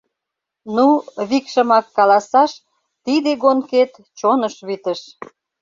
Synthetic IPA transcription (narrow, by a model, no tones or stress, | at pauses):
nuβikʃə̆mɑkːɑlɑsɑʃ | t̪id̪eɡonket̪ | t͡ɕonəʃβit̪ə̆ʃ